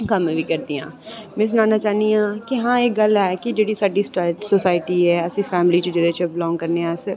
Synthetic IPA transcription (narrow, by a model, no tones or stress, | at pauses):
kəmʋiːkəɾd̪iːã̰ːmɛ̃ːs̬nãːnaːt͡ʃaːnd̪iãːkiɦãːeːkɡəlɛːkɪd͡ʒeːɽiːsaːɖiːsoːsaːɪʈiːɛːəsĩːpʰɛːmliːt͡ʃəd͡ʒɪd̪eːt͡ʃəbɪlɔ̃ːŋɡkəɾneːãːs